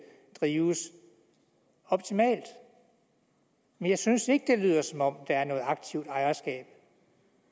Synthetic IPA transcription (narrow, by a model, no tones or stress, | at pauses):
d̥ʁiːʊs | ɒ̽b̥t͡sʰimɛ̰ːld̥ | menjɑ̈ɪsynse̝ɡ̥əd̥e̝lyð̞ˠɐsɒ̽mɒ̽md̥ɑ̈æɐnɔ̽ːð̩ˠɑ̈ɡ̥̚t͡sʰiʊd̥ɑ̈ɪɐsɡ̥ɛ̰ːb̥